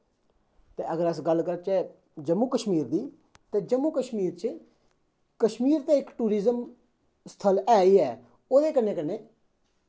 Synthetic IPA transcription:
t̪eːəɡəɾəsɡəlkəɾt͡ʃɛː | d͡ʒəmːuːkəʃmiːɾd̪iː | t̪eːd͡ʒəmːuːkəʃmiːɾt͡ʃ | kəʃmiːɾt̪eːɪkʈuːɾizəm | st̪ʰəlɛːiːɛː | oːd̪eːkənːẽːkənːeː

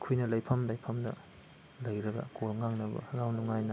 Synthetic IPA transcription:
kʰujnɐlɐjpʰɐmlɐjpʰɐmnɐ̰ | lɐjɾɐɡɐ̰kolŋaŋnɐbɐ̰ɾawnuŋajnɐ

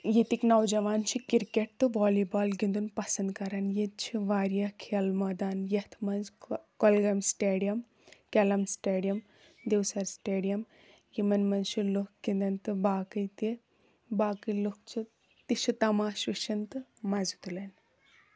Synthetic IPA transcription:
jet̪iknɐwd͡ʒɐʋaːnt͡ʃʰikiɾkeʈ̚t̪ɨʋɔːlibaːlɡind̪unpɐsɐnd̪kɐɾɐnjet͡ʃʰiʋaːɾjakʰelmɐd̪aːnjɐt̪ʰmɐnzkɔlɡɐmsʈeːɖijɐm | kɐlɐmsʈeːɖijɐm | d̪ewsɐɾsʈeːɖijɐm | jimɐnmɐnzt͡ʃʰiluk̚ɡind̪ɐnt̪ɨbaːkɨjt̪i | baːkɨluk̚t͡ʃʰi | t̪it͡ʃʰit̪ɐmaːʃʋiʃʰɐnt̪ɨmɐzut̪ulɐn

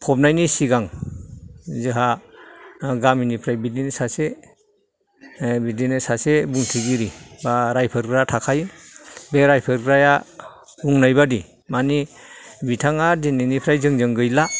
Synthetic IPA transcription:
pʰɔp̚najnisiɡaŋ | zɯɦa | ɡaminipʰɾajbidinesase | bidinesasebuŋtʰiɡiɾibaɾajpʰɯɾɡɾatʰakʰajbeɾajpʰɯɾɡɾaja | uŋnajbadi | mani | bitʰaŋadininipʰɾajzɯŋzɯŋɡɯjla

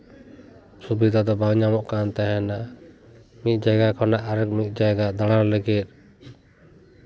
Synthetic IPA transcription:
subid̪ʱad̪ɔbawɲamɔʔkant̪aɦɛnaʔ | mit̪̚ˀd͡ʒaɡakʰɔnaʔaɾɛk̚mit̪̚ˀd͡ʒaɡad̪aɽ̃aɾlɛɡɛt̪̚ˀ

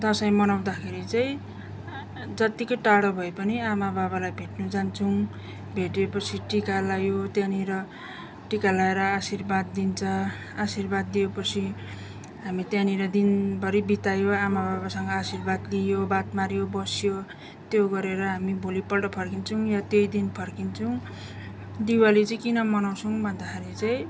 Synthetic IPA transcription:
d̪ʌsʌj̃mʌnaw̃d̪akʰeɾit͡sʌj̃ | d͡zʌt̪ikoʈaɽʌbʱʌepʌniamababalajbʱeʈnud͡zant͡sʰũ | bʱeʈepʌt͡sʰiʈikalajot̪janiɾʌ | ʈikalaeɾʌasirbad̪̚ːint͡sʰʌ | asirbad̪ːijepʌt͡sʰi | ɦamit̪jãniɾʌd̪inbʌɾibit̪ajoamabʱaβasʌŋɡʌasirbad̪lijobat̪maɾjobʌsjo | t̪joɡʌɾeɾʌɦamibolipʌlʈʌpʰʌrkint͡sʰʌw̃jʌt̪jejd̪inpʰʌrkint͡sʰʌw̃ | d̪iwalit͡sʌj̃kinʌmʌnaw̃t͡sʰʌw̃bʱʌnd̪akʰeɾit͡saj̃

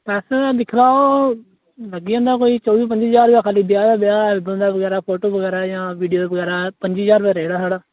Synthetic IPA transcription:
pɛːsed̪ɪkʰlaːoː | ləɡiãːnd̪aːkoːiːt͡ʃɔːʋiːp̬əɲd͡ʒiːzaːɾbjaːkʰaːliːbɪjaːd̪aːbɪjaːbəlnd̪aːʋəɡɛːɾaːpʰoːʈoːbəɡɛːɾaːjãːʋiːɖijoːd̪ʋəɡɛːɾaːpəɲd͡ʒiːd͡ʒaːɾbaːɾeːɽaːsaːɽaː

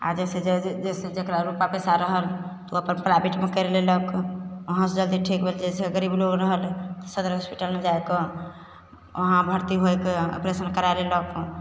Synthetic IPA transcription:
a̰d͡ʒesed͡ʒed͡ʒesed͡ʒekɾaɾupapesaɾəɦəlt̪əpənpɾajbiʈmekəɾeleləkoɦãsed͡ʒəld̪iʈʰikbʱeld͡ʒeseɡəɾibloɡɾəɦəlt̪ɔsəd̪əɾɦospiʈəlmed͡ʒaeke | o̰ɦãbʱəɾt̪iɦoekeə̰pɾesənkəɾaelelək

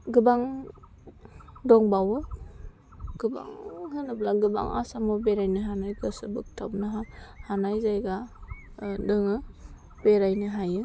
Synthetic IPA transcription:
ɡɯbaŋ | dɔŋbawɯ | ɡ̥ɯba̰ŋhɯnɯblaɡɯba̰ŋa̰samɔbeɾajnɯɦanajkʰɯsɯbɯ̰k̚tʰabnaɦahanajzajɡa | dɯŋɯ | beɾajnɯɦajɯ

